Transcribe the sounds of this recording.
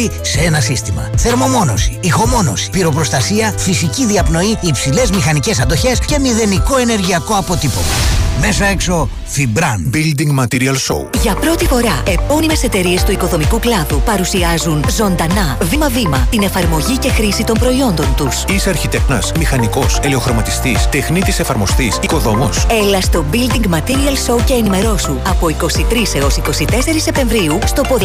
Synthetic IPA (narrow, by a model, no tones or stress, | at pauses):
isee̞nɐsist̪imɐ̰θe̞ɾmo̞mo̞no̞si̥ːxo̞mo̞no̞si̥piɾo̞pɾo̞st̪ɐsiɐfisiciðiɐpno̞iːpsile̞zmixɐnice̞s̬ɐnd̪o̞çe̞sce̞miðe̞niko̞e̞ne̞ɾʝiɐko̞ɐpo̞t̪ipo̞me̞sɐekso̞ | fibɾɐnbild̪iŋɡmɐt̪iɾiɐlso̰wʝɐpɾo̞t̪ifo̞ɾɐe̞po̞nime̞se̞t̪e̞ɾie̞st̪uiko̞ðo̞mikuklɐðupɐɾusiɐzunzo̞nd̪ɐnɐvimɐvimɐt̪ine̞fɐɾmo̞ʝice̞xɾisit̪o̞mpɾo̞io̞nd̪o̞nt̪usisɐɾçit̪ekt̪nɐ̰smixɐniko̞seleo̞xɾo̞mɐt̪i̥st̪ist̪exnit̪ise̞fɐɾmo̞st̪isiko̞ðo̞mose̞lɐst̪o̞bild̪iŋɡmɐt̪iɾiɐlso̞wce̞ːnime̞ɾo̞sunɐpo̞iko̞sit̪ɾise̞o̞siko̞sit̪e̞se̞ɾisːe̞p̚t̪e̞ɱvɾiust̪o̞poð